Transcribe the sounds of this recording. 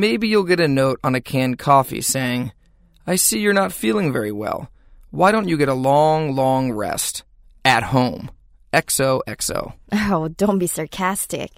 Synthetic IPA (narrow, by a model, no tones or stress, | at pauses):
meɪbijulˠɡɛɾɨnoʊɾn̩ɨkʰæ̃nkʰɔfḭseɪɪ̃ŋ | aɪsijə˞nətfilˠɪ̃ŋvɛɹiwɛ̰lˠ | waɪɾõʊ̃nt͡ʃɨɡɛɾəlɔ̃ŋlɔ̃ŋɹɛ̰st | ɨt̚hõʊ̃m | ɛksoʊʔɛkso̰ʊoʊdõʊ̃nb̥isɑɹkʰæstɪ̰k